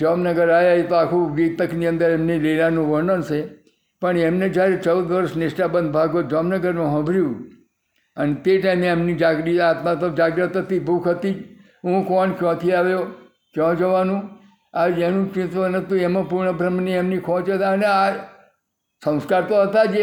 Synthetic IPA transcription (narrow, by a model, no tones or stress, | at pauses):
d͡ʒamnəɡəɾajaet̪oakʰũʋit̪əkniə̃nd̪əɾemnilelanũʋəɾɳənt͡ʃʰe | pəɳemned͡ʒjaɾet͡ʃəwd̪ʋəɾʃnɪʃʈabə̃nd̪̚bʱaɡod͡ʒamnəɡəɾmũɦə̃bʱɾjũ | ənet̪eʈaimeamnid͡ʒaɡɾiat̪mãt̪od͡ʒaɡɾət̪ɦət̪ibʱukʰɦət̪i | ɦũkɔnkjɔ̃t̪ʰiaʋjo | kjɔ̃d͡ʒəʋanũ | ad͡ʒenũt͡ʃɪ̃t̪ʋənət̪jũemãpuɾɳəbʱɾəmniemnikʰɔ̃t͡ʃət̪aənea | sə̃w̃skaɾt̪oɦət̪ad͡ʒe